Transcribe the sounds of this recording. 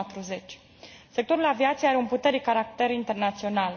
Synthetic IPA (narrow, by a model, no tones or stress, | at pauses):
at̪ɾuze̞t͡ʃʲ | se̞k̚t̪o̞ɾulaviat̪sijeaɾeumput̪e̞ɾekaɾak̚t̪e̞ɾint̪e̞rnat̪sio̞nal